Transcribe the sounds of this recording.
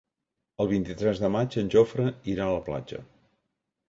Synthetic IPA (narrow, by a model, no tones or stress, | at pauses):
əlˠβ̞int̪it̪ɾɛzðəmad͡ʒənʲʒofɾəiɾaələpla̰d͡ʒə̰